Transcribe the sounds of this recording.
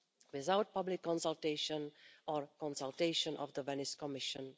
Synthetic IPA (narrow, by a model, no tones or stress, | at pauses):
wɪðaʊt̚pʌblɪkːɔ̃nsəlˠteɪʃə̃nɔɹkɔ̃nsəlˠteɪʃə̃nʔɔ̰vðəvɛnɪskɔmɪʃə̃n